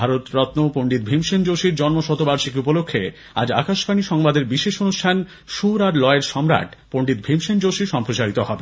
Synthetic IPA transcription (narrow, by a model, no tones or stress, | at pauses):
bʱaɾot̪ɾɔt̪nopoɳɖit̪̚bʱimʃend͡ʑoʃiɾd͡ʑɔnmoʃɔt̪obaɾʃikupolokʰːḛ | a̰d͡ʑa̰kaʃpʰaniʃɔŋbad̪eɾbiʃeʃonuʃʈʰan | ʃuɾaɾlɔeeɾʃɔmɾa̰ʈpoɳɖit̪̚bʱimʃend͡ʑoʃiʃɔmpɾot͡ɕaɾit̪oɦɔbe